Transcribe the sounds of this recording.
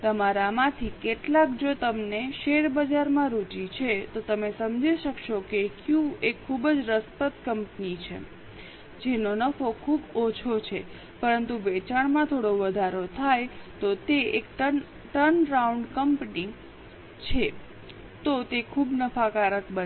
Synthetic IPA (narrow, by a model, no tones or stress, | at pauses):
t̪əmaɾamãt̪ʰikeʈlakd͡ʒot̪əmneʃeɾbəd͡ʒaɾmãɾut͡ʃit͡ʃʰet̪ot̪əmesəmd͡ʒiʃəkʃokekjũekʰːubəd͡ʒɾəspət̪kəmpnit͡ʃʰḛ | d͡ʒenonəfokʰubot͡ʃʰot͡ʃʰe | pəɾənt̪uʋet͡ʃaɳmãt̪ʰoɽoʋəd̪ʱaɾot̪ʰajt̪ot̪eekʈə | ʈənɾauɳɖkəmpni | t͡ʃʰe | t̪ot̪ekʰubnəfʰakaɾəkbə